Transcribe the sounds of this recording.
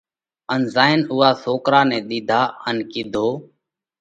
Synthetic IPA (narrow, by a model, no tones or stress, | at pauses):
ənzaːɪnʊːaːsoːkɾaːnɛ̃ːɗ̪iːd̪ʱaːənkɪd̪ʱoː